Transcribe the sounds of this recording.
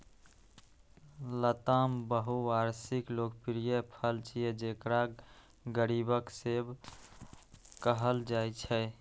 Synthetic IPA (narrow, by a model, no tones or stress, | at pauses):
lət̪ambəɦuaɾsiklokpɾijəpʰəlt͡ʃijed͡ʒekɾa | ɡəɾibəkseb | kəɦəld͡ʒat͡ʃʰɛ